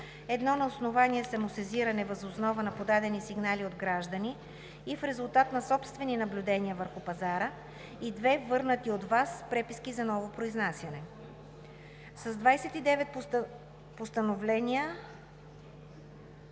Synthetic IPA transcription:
ɛd̪nɔnɐosnovaniɛsɛmʊsɛziɾɐnɛvɐzosnɔvənɐpod̪ad̪ɛnisiɡnaliod̪ɡɾaʒd̪əniː | fɾɛzʊlˠt̪at̪nɐsɔpst̪vɛninɐblʲud̪ɛnʲiəvəɾxʊpɐzaɾə | id̪vɛvɤɾnət̪iod̪vaspɾɛpiskizɐnɔvopɾoiznasʲjɐnɛ | sɐzd̪vajsɛt̪id̪ɛvɛt̪̚ | post̪ɐnovlɛniə

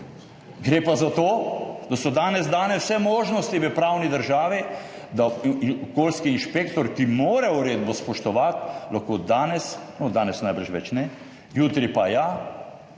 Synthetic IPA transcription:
ɡɾeːpazat̪oːd̪̥asɔd̪aːnɛzd̪aːnɛssɛmoːʒnɔst̪iʋəpɾaːwnid̪əɾʒaːʋi | d̪aɔkoːlskiːnʃpekt̪ɔɾkimoːɾɛʊɾeːd̪bɔspɔʃt̪ɔʋat̪laxkoːd̪aːnɛsnɔd̪aːnɛsnajbəɾʃʋɛ̰t͡ʃnɛ | juːt̪ɾipaja

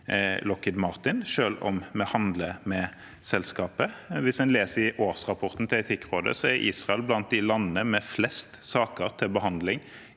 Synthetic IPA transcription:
lɔkɪd̪mɑʁt̪ɪnʃøːlɔ̰mmɛhɑnd̪ləmɛ | sɛlskɑːpəʋɪsɛnleːsəɪʔoːʁsʁɑpʰɔɾt̪n̩t̪ʰɪlɛt̪ʰɪkːɾoːd̪ə̰sɔɛɾʔḭːsʁɑɛlblɑnt̪̚d̪ɪlɑnːənəmɛflɛst̪sɑːkəɾt̪ʰɪlbəɦɑnd̪lɪŋ

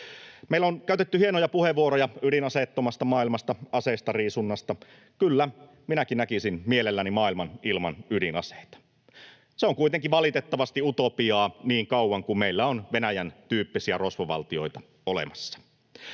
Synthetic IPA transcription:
meilæonkæyt̪et̪ːyhienojɑpuheʋːuoɾojɑydinɑset̪ːomɑst̪ɑmɑːilmɑst̪ɑɑseist̪ɑriːsunːɑst̪ɑ | kylːæ | minækinnækisinmielelːænimɑːilmɑnilmɑ̰nydinɑ̰se̥it̪ɑ̥ | seoŋkujt̪eŋkiʋɑlit̪et̪ːɑʋɑst̪iut̪opiɑːniːŋkɑuwɑŋkummeilːæonʋenæjænt̪yːpːisiæro̞sʋoʋɑ̰lt̪io̞jt̪ɑ̥ | olḛmɑsːɑ̥

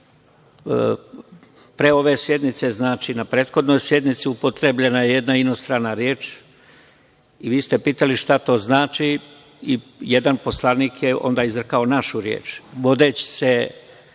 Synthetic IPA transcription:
pɾe̞o̞ʋe̞sje̞d̪nit̪se̞znaːt͡ʃinapɾeːt̪xo̞d̪no̞jsje̞d̪nit̪siupot̪ɾebʎenajeje̞d̪naino̞st̪ɾanaɾje̞ːt͡ʃ | iʋiːst̪e̞piːt̪aliʃt̪at̪o̞ːznaːt͡ʃi | ijed̪anpo̞slˠaniːkjeo̞̰nd̪aːizɾkaonaʃuɾjḛːt͡ʃʋo̞d̪et͡ɕi̥se

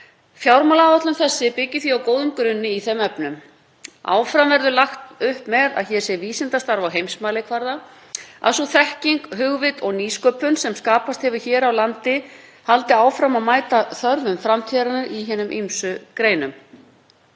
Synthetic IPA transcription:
fjawɾmalawvat̪lʏmθɛsːɪpɪcːɪθiawkoːwðʏmkɾʏnːɪiθɛmɛpnʏm | a̰ːwfɾamvɛɾðʏlaxt̪ʏhpmɛða̰ðçɛ̥sjɛviːsɪnt̪ast̪aɾvawɦejmsmaːlɪkʰvaɾða | a̰sɔθɛhciŋkɦʏɣvɪt̪ɔɣniːskœːpʏnsɛmskaːpast̪hɛvɪçɛːɾawlant̪ɪhalt̪ɪaːwfɾamamaːjt̪aθœɾðʏmfɾamt̪ʰɛɾanʏɾiɦɛːnʏmʔimsʏkɾeːjnʏm

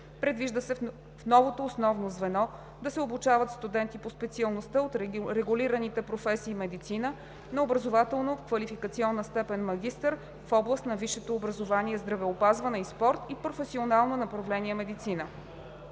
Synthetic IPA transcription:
pɾɛd̪viʒd̪əsɛ | fnɔvot̪oːsnɔvnozvɛnɔ | d̪ɐsɛobut͡ʃavət̪st̪ud̪ɛnt̪ipospɛt̪siɐlˠnost̪əot̪ɾɛɡʊliɾənit̪ɛpɾofɛsiːmɛd̪it̪sinə | nɐobɾəzovat̪ɛlˠnofkvɐlifikət̪siɔnːəst̪ɛpɛnmɐɡ̟ʲist̪əɾ | fɔblˠəst̪nɐviʃɛt̪oːbɾəzovaniɛzd̪ɾɐvɛopazvənɛispɔɾt̪ipɾofɛsionalˠnonɐpɾɐvlɛniɛmɛd̪it̪sinə

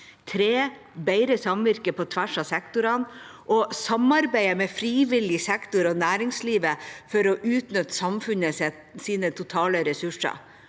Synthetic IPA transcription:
t̪ʰɾeː | beɪɾəsɑmʋɪɾkəpʰɔt̪ʰʋæʂɑsɛkt̪ʊɾɑn | ʔɔsɑmɑɾbæɪəmɛfɾiːʋɪlɪsɛkt̪ʊɾɔːnæːɾɪŋsliːʋəfɔɾɔʔʉːt̪nʏt̪ːsɑmfʉnəsɛ | siːnət̪ʰʊt̪ʰɑːləɾɛsʉʂɑ̰

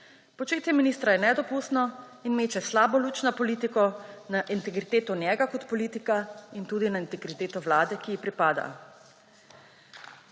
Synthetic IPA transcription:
pɔt͡ʃeːt̪jɛminist̪ɾajɛnɛd̪ɔpust̪nɔ | inmeːt͡ʃɛslaːbɔlut͡ʃnɔpɔliːt̪ikɔnaʔint̪ɛɡɾit̪eːt̪ɔnjɛːɡakɔt̪pɔliːt̪ikaint̪uːd̪inaint̪ɛɡɾit̪eːt̪ɔwlaːd̪ɛkiipɾipaːd̪a̰

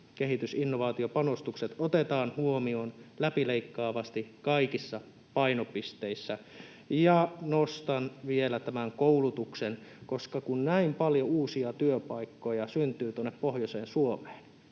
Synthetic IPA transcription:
keɦit̪ysinːoʋɑːt̪iopɑnost̪ukset̪ot̪et̪ɑːnhuomionlæpileikːɑːʋɑst̪ikɑikisːɑ | pɑinopist̪eisːæ | jɑnost̪ɑnʋielæt̪æmæŋkoulut̪uksenkoskɑkunnæimpɑljouːsiɑt̪yøpɑikːojɑsynt̪yːt̪uonːeppohjoseːnsuome̥ːn

